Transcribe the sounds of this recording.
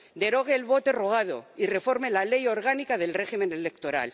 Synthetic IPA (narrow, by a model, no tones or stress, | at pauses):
d̪e̞ɾo̞ɣ̞eːlβo̞t̪e̞ro̞ɣ̞að̞o̰ire̞fo̞ɾmelale̞jo̞ɾɣ̞anikaðe̞lre̞ximẽ̞nele̞kt̪o̞ɾa̰l